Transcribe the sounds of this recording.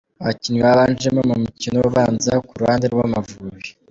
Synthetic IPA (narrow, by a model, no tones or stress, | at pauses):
βacinwaβaːnd͡ʒemomumucinowoβaːnzakuɾuhaːndeɾɡwamavuːβi